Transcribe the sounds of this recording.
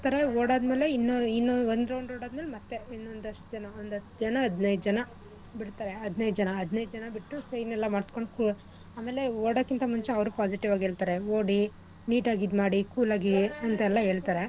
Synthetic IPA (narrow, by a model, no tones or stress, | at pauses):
at̪ɐɾɐoːɽaːd̪me̞ːleinːoinːoond̪ɾɐwɳɖɾoːɽaːd̪meːlemɐt̪ːe̞inːond̪ɐʂʈd͡ʒɐnɐond̪ɐt̪ːd͡ʒɐnɐɐd̪nɐjd̪d͡ʒɐnɐ | biɽt̪aːɾe̞ɐd̪nɐjd̪d͡ʒɐnɐɐd̪nɐjd̪d͡ʒɐnɐbiʈːusɐjnɛlːɐmaːɽsko̞ɳɖku | aːmeːleoːɽoːkːint̪ɐmuɲt͡ʃeɐʋɾupaːsiʈiʋaːɡɦe̞ːɭt̪aːɾeoːɽi | niːʈaːɡid̪maːɽikuːlaːɡiɐnt̪ɐɛlːɐɦe̞ːɭt̪aːɾe̞